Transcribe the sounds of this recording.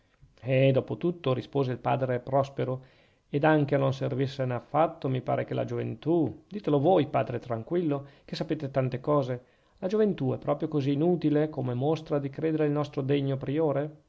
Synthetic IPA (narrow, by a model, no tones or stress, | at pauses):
ɛd̪ɔːpot̪ut̪ːoɾispoːzeilpa̰ːd̪ɾepɾɔspeɾo | ed̪aŋk̟enonservisːeneafːat̪ːomipa̰ːɾekela̰d͡ʒovḛnt̪ud̪iːt̪elovojpa̰ːd̪ɾet̪ɾaŋkwilːok̟esːapeːt̪et̪ant̪ekɔːze | lad͡ʒovent̪uɛpːɾɔːpɾjokoziːnuːt̪ilekomemost̪ɾad̪ikɾeːd̪eɾeilnɔst̪ɾod̪eɲːopɾioːɾe